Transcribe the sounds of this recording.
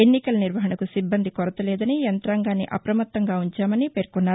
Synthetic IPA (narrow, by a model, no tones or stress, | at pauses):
enːikɐlɐniɾʋɐɦɐɳɐkusibːɐnd̪ʱikɔɾɐt̪ɐlɛːd̪ɐnijɐnt̪ɾaːŋɡaːnːḭʔɐ̰pɾɐmɐt̪ːɐŋɡaːuɲt͡ʃaːmɐnipeːɾkunːaː